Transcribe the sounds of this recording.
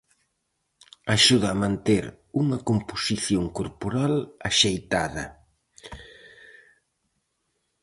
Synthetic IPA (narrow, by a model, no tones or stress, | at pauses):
aʃuðɐːmãnt̪eɾ | uŋɐkomposiθjoŋkoɾpoɾalaʃejt̪aðɐ̰